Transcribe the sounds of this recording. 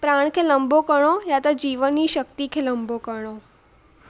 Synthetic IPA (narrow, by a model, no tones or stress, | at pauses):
pɾaɳ̃kʰeləmbokəɳ̃ojat̪ad͡ʑiːʋəniːɕək̚t̪ikʰeləmbokəɽo